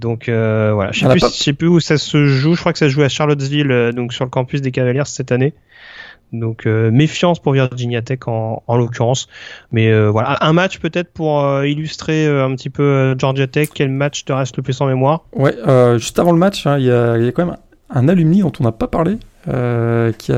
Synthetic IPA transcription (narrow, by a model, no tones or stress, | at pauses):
d̪ɔ̃kʰøvwa̰la̰ʃʃɛ̃ʃɛpyusasəʒuʒəkχwakə̥sasʒuaʃaʁlɔt̪vilød̪ɔ̃ksyʁləkɑ̃pys̬d̪ek̬avaljɛʁsɛt̪ane | d̪ɔ̃kʰømefjɑ̃spuʁviʁd͡ʒinjat̪ɛkʰɑ̃ːlɔk̬ʲyʁɑ̃smɛøvwala̰ʔɛ̃mat͡ʃpøt̪ɛt̪χəpuʁøilyst̪χeøɛ̃pət̪ipøøʒɔʁd͡ʒat̪ɛkʰʲːɛlmat͡ʃt̪əʁɛst̪ləplysɑ̃memwaːʁwɛøʒyst̪avɑ̃ləmat͡ʃɛ̃iljailjakɑ̃mɛm | ɛ̃nalymnid̪ɔ̃t̪ɔ̃napapaʁle | økʲʰia